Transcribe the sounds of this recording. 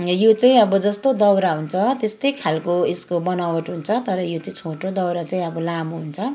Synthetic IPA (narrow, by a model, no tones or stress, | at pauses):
jot͡saĩʌbʌd͡zʌst̪od̪ʌwɾaɦunt͡sʰʌt̪est̪ʌjkʰalkoeskobʌnawʌʈɦunt͡sʰʌt̪ʌɾʌjot͡saĩt͡sʰoʈod̪ʌwɾat͡saĩʌbʌlamoɦunt͡sʰʌ